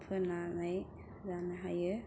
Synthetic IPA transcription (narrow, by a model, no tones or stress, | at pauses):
pʰɯnanaj | zanaɦajɯ